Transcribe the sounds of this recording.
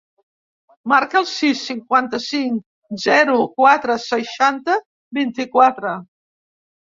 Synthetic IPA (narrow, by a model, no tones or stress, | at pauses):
maɾkəlˠsisːiŋkwant̪əsiŋ | zɛɾukwat̪ɾəsəʃant̪ə | bint̪ikwat̪ɾə